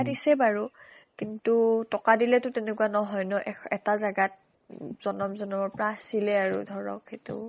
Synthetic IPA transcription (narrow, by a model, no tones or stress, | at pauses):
disɛbaɹu | kintutɔkadilɛtʊtɛnɛkuwanɔɦɔjnɔʔɛɛtazaɡat̚ | z̥ɔnɔmzɔnɔmɔɹpɹasilɛaɹṵdʱɔɹɔ̰ketṵ